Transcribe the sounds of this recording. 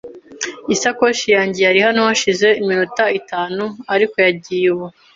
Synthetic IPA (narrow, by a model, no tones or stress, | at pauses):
isako̞ʃijaːɲɟejaɾihanohaʃize̞iminutaitaːnuaɾiko̞jaɟijewo